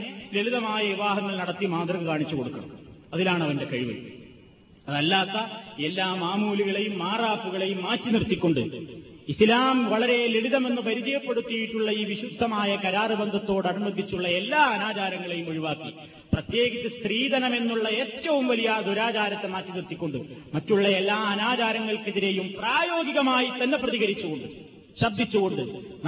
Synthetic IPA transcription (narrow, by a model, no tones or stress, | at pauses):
le̞ɭiðɐmaːjɐʋiʋaːɦɐŋːɐlnɐɽɐt̪ːimaːt̪rɐɣɐkaːɳit͡ɕːuko̞ɽukːɐ̰ɳɐ̰ɐðilaːɳɐʋɐnde̞kɐɻiʋɨ̰ | ɐðɐlːaːt̪ːɐe̞lːaːmaːmuːliɣɐɭe̞jumːaːraːpːuɣɐɭe̞jumːaːtːinirt̪ːikʲːo̞ɳɖɨ̰ | islaːmʋɐɭɐɾe̞leliðɐme̞nːupɐɾid͡ʑɐjɐpːe̞ɽut̪ːijiʈːuɭːɐiːʋiɕud̪ʱːɐmaːjɐkɐɾaːrɨbɐnd̪ʱɐt̪ːo̞ːɽɐnumɐnd̪ʱːit͡ɕːuɭːɐe̞lːaːɐnaːt͡ɕaːɾɐŋːɐɭe̞jumɐɻiʋaːkːi | prɐt̪je̞ːɡit͡ɕːɐst̪riːd̪ɐnɐme̞nːuɭːɐe̞ːtːɐʋumʋɐlijɐːd̪ʱuɾaːt͡ɕaːɾɐt̪ːe̞maːtːinirt̪ikʲːoɳɖɨmɐtːuɭːɐelːaːɐnaːt͡ɕaːɾɐŋːɐɭkeðiɾe̞jumpraːjo̞ːɡiɣɐmaːjit̪ɐnːe̞prɐðiɣɐɾit͡ɕːuɣo̞ɳɖɨ | ɕɐbd̪ʱit͡ɕːuɣo̞ɳɖɨn